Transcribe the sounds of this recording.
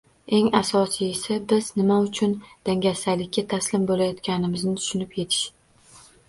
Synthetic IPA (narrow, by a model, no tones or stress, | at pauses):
e̞ŋasɒsijsabɪz̥nɪmaʊt͡ʃʰʊnd̪̥aŋʲasalɪkʲːat̪ʰaslɪmbolajɒt̪kʲanɪmɪznɪt̪ʰʊ̥ʃʊnɪpje̞t̪ʰɪ̥ʃ